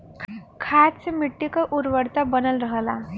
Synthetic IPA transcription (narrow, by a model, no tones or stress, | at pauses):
kʰat͡semiʈːikaʔuɾʋəɽt̪abənəlɾəɦla